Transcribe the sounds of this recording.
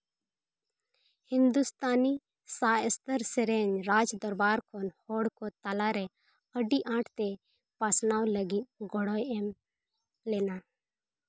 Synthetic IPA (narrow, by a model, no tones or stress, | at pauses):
hɪ̃nd̪ust̪aːni | saːjəst̪əɾsɛɾɛɲɾaːd͡ʒd̪ɔɾbaːɾkʰɔnhɔɽkɔt̪alaɾɛ | əɖiʔãːʈʰt̪ɛ | pasnaːwləɡit̪̚ɡɔɽɔjɛm | lɛna